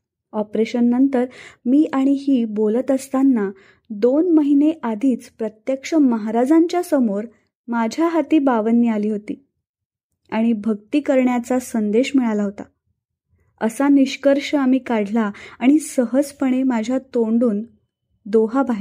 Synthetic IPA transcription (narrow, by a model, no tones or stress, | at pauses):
ɔpɾeɕənːənt̪əɾmiːʔaɽ̃iɦiːbolət̪əst̪anːa | d̪onməɦineʔad̪ʱiːt͡spɾət̪jəkʂəməɦaɾad͡zaɲt͡ɕjasəmoɾ | mad͡ʑʱjaɦat̪iːbaʋənːialiːɦot̪iː | aɽ̃ibʱəɡt̪iːkəɾɳjat͡sasənd̪eɕmiɭalaɦot̪a̰ | əsaniɕkəɾʂəamiːkaɽ̤laaɽ̃isəɦəd͡zpəɽ̃emad͡ʑʱjat̪oɳɖuːn | d̪oɦabaɦi